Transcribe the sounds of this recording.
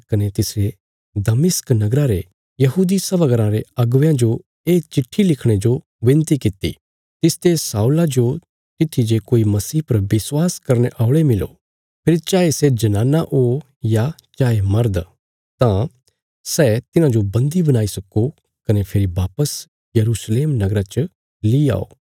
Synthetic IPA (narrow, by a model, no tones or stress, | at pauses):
kɐnet̪ɪsɾe | d̪ɐmɪsknɐɡɾaɾe | jɐɦuːd̪isɐʋəɡəɾãɾeɐɡʋjãd͡ʒo | eːt͡ʃɪʈʰːilɪkʰɽ̃ed͡ʒo | ʋɪ̃nt̪ikɪt̪ḭ | t̪ɪst̪esaːulad͡ʒo | t̪ɪt̪ʰːid͡ʒekoːimɐsiːpɐɾbɪswaːskɐɾneʔaːʊɭemɪlo̰ː | pʰeːɾit͡ʃaːesed͡ʒɐnaːnaʔoː | ja | t͡ʃaːemɐɾd̪ | t̪ã | sɛːt̪ɪnãd͡ʒobɐ̃nd̪ibɐñaːisɐko | kɐnepʰɪɾibaːpəs | jɐɾuːsleːmnɐɡɾat͡ʃə | lia̰ːo̰ː